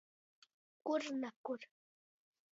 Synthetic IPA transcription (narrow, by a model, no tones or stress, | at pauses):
kʊɾnakʊɾ